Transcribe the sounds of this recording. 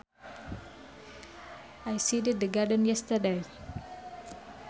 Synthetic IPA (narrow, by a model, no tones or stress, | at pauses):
ajsidɪd̪̚d̪əɡadə̃njɛst̪əde